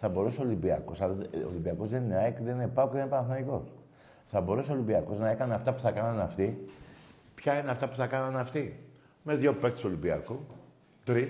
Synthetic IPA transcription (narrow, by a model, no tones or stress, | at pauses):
θɐbo̞ɾuseolimbiɐ̰ko̞sɐlo̰limbiɐko̞zðenineekðeninepɐokðenepɐnɐθnɐiko̞s | θɐbo̞ɾuseolimbiɐko̞znɐe̞kɐneɐft̪ɐpu̥θɐkɐnɐnɐft̪i | pçɐineɐft̪ɐpuθɐkɐnɐnɐft̪i | me̞ðʝo̞pekt̪st̪olimbiɐ̰ku | t̪ɾis